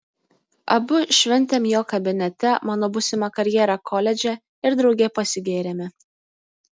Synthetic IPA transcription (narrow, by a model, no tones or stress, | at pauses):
ɐbʊʃʲʋʲɛnʲt̪ʲemjoːkɐbʲɪnʲɛt̪ʲɛmɑːnoːbʊsʲɪmɑkɐɾʲjeːɾɑkʰolʲɛd͡ʒʲɛ | ɪɾd̪ɾɒʊɡʲɛpɐsʲɪɡʲeːɾʲemʲɪ